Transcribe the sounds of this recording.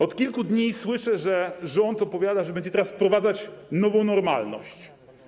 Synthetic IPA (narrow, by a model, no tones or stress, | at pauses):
ɔt̪kʲilkud̪ɲiswɘʂɛʐɛʐɔnt̪ɔpɔvʲjad̪aʐɛbɛɲd͡ʑɛt̪ɛɾasfpɾɔvad̪zat͡ɕnɔvɔ̃w̃nɔɾmalnɔ̰ɕt͡ɕ